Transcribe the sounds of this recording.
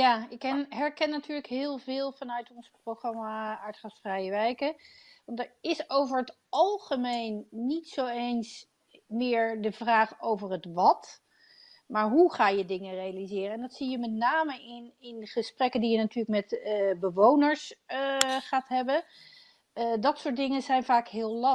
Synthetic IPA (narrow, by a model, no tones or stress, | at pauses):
jaːɪkɦɛɹkɛnːatyːɹləkɦɪːlˠvɪːlˠvɑnœɥtɔnsprowχrɑmaaɹtχasfrɛjəʋɛjkəʋɑndəɹɪsowvəɹɦət | ɑlˠχəmejnːitsowejns | mɪːɹdəvraːχowvəɹɦətʋɑt | maːɹɦuχaːjədɪŋərejalizɪːrəɛndɑtsijəmɛtnaːməɪnɪnχəsprɛkəndijənatyːɹləkmɛtəbəʋownəɹs | χaːtɦɛbən | dɑtsʊːɹtdɪŋəzɛjnvaːkɦɪːllɑ